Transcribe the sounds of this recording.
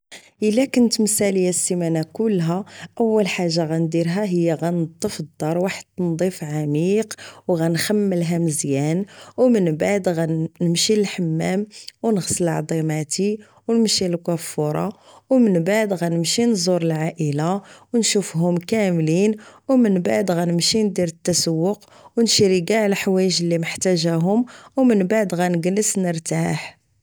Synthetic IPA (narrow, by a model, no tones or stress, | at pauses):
ʔəlːækʊnt̪msæləjːæsːimænakʊlːɦæʔəwːəlħaʒːaɣænd̪iɾɦæɦəjːaɣænt̪ˤːəfd̪ːɑɾˤwaħəd̪̥nd̪ˤifʕamiqwɣænxæmːəlɦæməzjænwmənbaʕd̪ɣænəmʃiəlħamːæmwnəɣsəlʕd̪ˤimat̪i | wnəmʃilkæfːʊɾˤɑ̰ | wmənbaʕd̪ɣænəmʃinzˤuɾˤəlʕaʔəlawnʃufɦʊmkæmlinwmənbaʕd̪ɣænəmʃind̪iɾət̪ːæsəwːʊq | wnʃiɾiɡaʕlħwæjəʒəlːiməħt̪æʒæɦʊmwmənbaʕd̪ɣænəɡnəsnəɾt̪aħ